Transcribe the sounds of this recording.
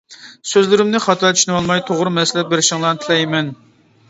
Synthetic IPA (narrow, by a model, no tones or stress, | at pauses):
søzlɪɾɪmnɪχɑt̪ʰɑlt͡ʃʰyʃinwɑlˠmɑjt̪ʰoʁɾɨmɛsɪlɛt̪̚beɾɪʃiŋlˠɑnt̪ʰɪlɛjmɛn